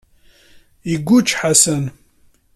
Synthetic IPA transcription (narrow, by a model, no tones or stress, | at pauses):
iɡʷːut͡ʃːħasən